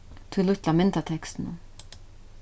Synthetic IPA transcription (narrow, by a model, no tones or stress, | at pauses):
t̪ʰɪlʏt̪lamɪnt̪at̪ʰɛkst̪nʊ̰m